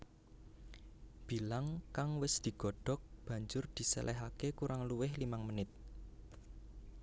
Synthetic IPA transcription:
b̥i̤laŋkaŋwɪsd̪̥i̤ɡ̥ɔ̤ɖ̥ɔ̤k̚b̥ä̤ɲd͡ʒʊrd̪̥i̤sɛ̰lʔɛɦakekuɾaŋluwɪhlimaŋmənɪt̪̚

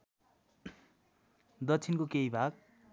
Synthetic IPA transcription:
d̪ʌtt͡sʰinkokejbʱaɡ̚

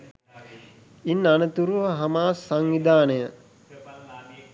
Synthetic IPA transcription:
inːanət̪uɾuʋəɦamaːsaŋʋid̪aːnəjə

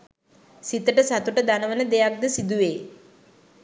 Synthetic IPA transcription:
sit̪əʈəsat̪uʈəd̪anəʋənəd̪ejak̚d̪əsid̪uʋeː

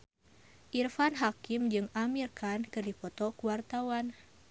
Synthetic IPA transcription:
ʔirfanɦakimd͡ʒɨŋamirkankɨrdipɔt̪ɔkuwart̪awan

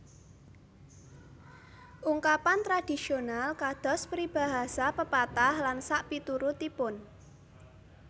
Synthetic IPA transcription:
ʔuŋkapant̪ɾad̥i̤sionalkad̪̥ɔ̤spɾib̥a̤ɦasapəpat̪ahlansaʔpit̪uɾut̪ipʊn

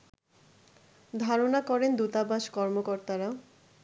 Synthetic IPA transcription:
d̪ʱaɾonakɔɾend̪ut̪abaʃkɔɾmokoɾt̪aɾa

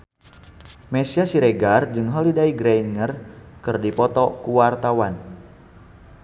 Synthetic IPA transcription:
mɛsiasiɾɛɡard͡ʒɨŋɦəlidaiɡɾajnŋərkɨrdipɔt̪ɔkuwart̪awan

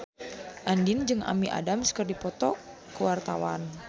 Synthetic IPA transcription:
ʔandɪnd͡ʒɨŋʔa̰miʔa̰damsə̥kərdipɔt̪ɔ | kəwart̪awan

